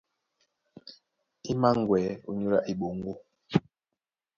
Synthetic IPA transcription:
i˦ma˦ŋ˨ɡwɛː˨˦ṵ˨ɲu˦la̰˦ʔi˨ɓo˨ŋ˦ɡo˦

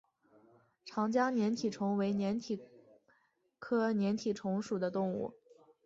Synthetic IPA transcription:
ʈ͡ʂʰɑ˧˥ŋt͡ɕja˥njɛ˧˥nt̪ʰi˨˩ʈ͡ʂʰʊ˧˥ŋwe˧˥ɪnjɛ˧˥nt̪ʰi˨˩ | kʰɤ˥njɛ˧˥nt̪ʰi˨˩ʈ͡ʂʰʊ˧˥ŋʂu˨˩d̪ə˦t̪ʊ˥˧ŋṵ˥˩

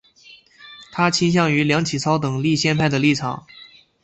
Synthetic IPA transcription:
t̪ʰa˥t͡ɕʰi˥nɕ̬jɑ˥˩ŋy˧˥ljɑ˧˥ŋt͡ɕʰi˨˩t͡sʰɑ˥ʊt̪ɤ˨˩ŋli˥˧ɕjɛ˥˧npʰa˥˩ɪd̪ə˩li˥˩ʈ͡ʂʰɑ̰˨˩˦ŋ

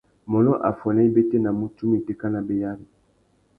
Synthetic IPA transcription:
mɔ˨lɔ˦ʔa˨fɔ˨nɛ˦i˦be˦te˦na˨mu˦tu˦mi˨te˦ka˦na˨be˨ja˦li˨

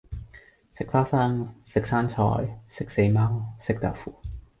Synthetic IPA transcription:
sɪ˨k̚faː˥sɐ˥ŋsɪ˨k̚saː˥nt͡ʃʰɔ̰ː˧˥jsɪ˨˥k̚se˧jmaː˥wsɪ˨k̚t̪a̰˨˩fṵː˨˩

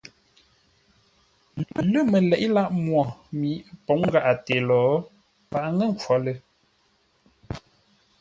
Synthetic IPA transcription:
lə˦˨mə˨lɛ˨ʔla˦ʔmwɔ˨mi˨˦po˨˦ŋ˦ɡa˨ʔa˨te˨lɔː˨˦ | pa˨ʔŋə˦˨ŋ˨kʰwɔ˨˦lə˦

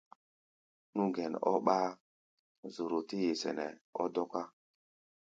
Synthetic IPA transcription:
nu˦ɡɛ˨n˨ɔ̰˦ɓa˦ | zo˨ɾo˨ti˦je˨sɛ̰˨nɛ̰˨ɔ˦dɔ˦ka˦

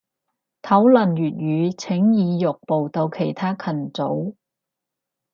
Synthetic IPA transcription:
t̪ʰɐ˨˥wlɐ˨˩njyː˨˩t̚jyː˨˧t͡sʰɪ˨˥ŋjiː˨˧jʊ˨k̚po˨wt̪o˧wkʰe˨˩jt̪ʰaː˥kʰɐ˨˩nt͡so˨˥w

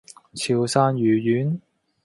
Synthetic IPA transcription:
t͡sʰiː˨˧wsaː˧njyː˨˧jyː˨˥n

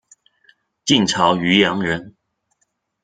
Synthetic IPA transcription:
t͡ɕi˥˩nʈ͡ʂʰɑ˧˥ʊy˧˥jɑ˧˥ŋɻə˧˥n

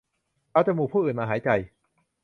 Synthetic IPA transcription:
ʔa˧˩t͡ɕaː˨˩muː˨˩pʰuː˥˩ʔɯː˨˩nmaː˧ɦaː˩˦jt͡ɕa˧j

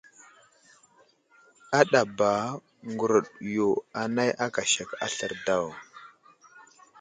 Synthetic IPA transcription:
a˦ɗa˨ba˨ | ŋɡu˨ɾu˨ɗjo˨a˨na˦jʔa˦ka˨ʃa˨ka̰˨ɬə˦˨ɾda˦˨w

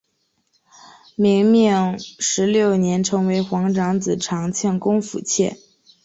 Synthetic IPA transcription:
mi˧˥ŋmi˥˩ŋʂɻ̩˧˥ljo˥˩ʊnjɛ˧˥nʈ͡ʂʰɤ˧˥ŋwe˧˥ɪxwɑ˧˥ŋʈ͡ʂɑ˧˥ŋd͡zɹ̩˨˩ʈ͡ʂʰɑ˧˥ŋt͡ɕʰjɛ˥˩nkʊ˥ŋfṵ˨˩t͡ɕʰjɛ̰˥˩n

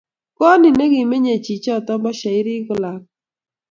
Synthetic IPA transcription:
kɔ˦nɪ˨ne˦ɡi˨me˦ɲe˨t͡ʃi˨t͡ʃɔ˦˨tɔ˦mbɔ˦ʃa˨ɪ˦ɾi˦kʊ˨la˨k̚

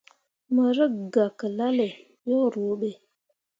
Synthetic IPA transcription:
mə˨ɾə˦ɡa˨kə˨la˦le˨ | jo˦˨ɾo˨˦ɓe˨

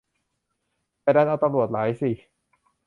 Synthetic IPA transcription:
pa˧˩daː˧˥˩nʔaː˨˧˩wt̪a˧mɾu˨˩ət̪̚laː˩˦jsi˨˩

